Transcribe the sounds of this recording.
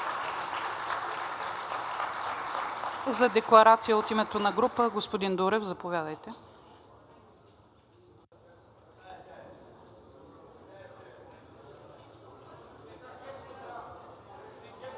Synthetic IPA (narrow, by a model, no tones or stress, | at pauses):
zɐd̪ɛklˠɐɾat̪sijəot̪imɛt̪onɐɡɾupəɡospod̪ind̪uɾɛfzɐpovʲjad̪əjt̪ɛ